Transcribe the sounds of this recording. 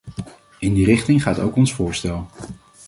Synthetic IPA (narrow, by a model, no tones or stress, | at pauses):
ɪndirɪχtɪŋχaːto̰wkɔnsfʊːɹstɛlˠ